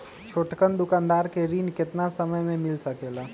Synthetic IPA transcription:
t͡ʃʰoːʈkənd̪ʊkãːnd̪aːɾkeɾiːnkɪt̪nasəməjmẽmɪlsəkeːlaː

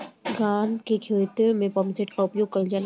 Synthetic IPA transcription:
ɡaːnd̪kekʰet̪ɾmẽpɐmseʈkaʊpjoːɡ̚kɐd͡ʒaːn

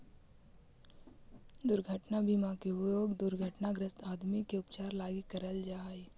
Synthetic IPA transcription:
d̪ʊɾɡʱəʈnabimakeujoːɡd̪ʊɾɡʱəʈnaɡɾəst̪aːd̪mikeʊpt͡ʃaːɾlaːɡikəɾəld͡ʒaːi

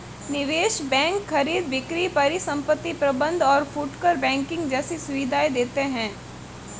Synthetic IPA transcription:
nɪʋeːʃbɛ̃ːŋkxɐɾiːd̪ʋɪkɾipɐɾisɐ̃mpət̪ːipɾɐbə̃nd̪ʱɔːɾfuʈkəɾbɛ̃ːŋkɪ̃ŋɡd͡ʒɛːsesʊʋɪd̪ʱaːjd̪eːt̪eɦɛ̃ː

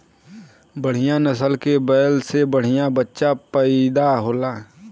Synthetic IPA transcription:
bəɽ̤ɪjãnəsəlkebɛːlsebəɽ̤ɪjãbətːʃapəɪd̪aɦoːlaː

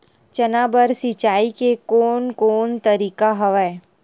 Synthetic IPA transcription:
t͡ʃənabəɾsit͡ʃaikekoːnkoːnt̪əɾikaɦəʋae

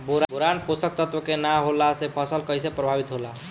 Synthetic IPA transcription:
boɾboɾanposək̚t̪ət̪wəkenaɦolasepʰəsəlkəjsepɾəbʱabit̪ɦola

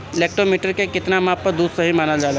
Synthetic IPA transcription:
leːk̚ʈɾomiːʈəɾkekɪt̪namãːp̚ːɐɾd̪uːd̪sɐɦimaːnad͡ʒaːl

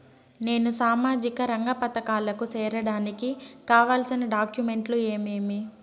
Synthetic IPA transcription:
ne̞ːnusaːmaːd͡ʒikɐɾɐŋɡɐpɐt̪ɐkaːlɐkut͡ʃɛːɾɐɽaːnikikaːʋaːlsinɐɖaːkjume̞ɳʈlue̞ːmeːmi

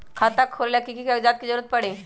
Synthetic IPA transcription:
kʰat̪akʰːolljakikikaɡd͡zat̪̚kid͡ʑəɾut̪̚pəɽe

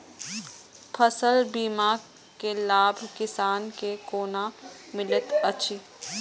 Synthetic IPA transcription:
pʰɐsəlbiːmaː | kelaːbʱkɪsaːnkekoːnamɪlɪt̪ɐtːʃʰiː

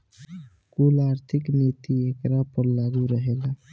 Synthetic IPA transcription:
kulaɾt̪ʰiknit̪iekɾapəɾlaɡuɾəɦela

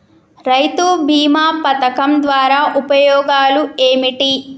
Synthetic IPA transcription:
ɾɐjt̪ubʱiːmaːpɐt̪ɐkɐmd̪ʋaːɾaːʔupɐjɔːɡaːlueːmiʈi

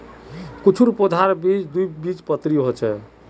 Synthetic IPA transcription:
kut͡ʃʰuɾpod̪ʱaɾbit͡ʃd̪ujbit͡ʃpət̪ɾiɦot͡ʃʰɛ

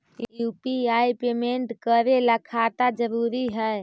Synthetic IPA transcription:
jjupiajpemeɳʈkəɾeləkʰat̪ad͡ʒəɾuɾiɦəj

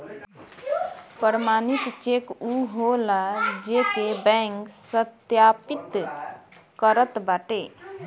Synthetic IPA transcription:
pəɾəmaːnit̪t͡ʃekuɦolad͡ʒekebɛ̃ŋksət̪japit̪ | kəɾət̪baʈe

